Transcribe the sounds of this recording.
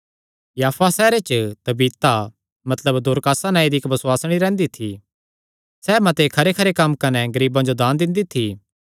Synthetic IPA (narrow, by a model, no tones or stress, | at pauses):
jaːfʰasɛːɾet͡ʃət̪ɐbiːt̪a | mɐt̪ləbd̪ʊːɾkaːsanãid̪iɪkbɐswaːsɽ̃iɾɛ̃ːnd̪it̪ʰi | sɛːmɐt̪ekʰɐɾekʰɐɾekɐmkɐnɛɡɐɾiːbãd͡ʒod̪aːnd̪ɪ̃nd̪it̪ʰi